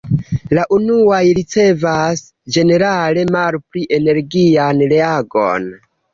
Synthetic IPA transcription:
laʔunuajɾit͡se̞vas | d͡ʒe̞ne̞ɾale̞malpɾiʔe̞ne̞ɾɡianɾeaɡo̰n

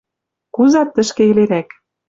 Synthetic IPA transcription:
kuzɑt̪ːɘ̆ʃkĕeleɾæk

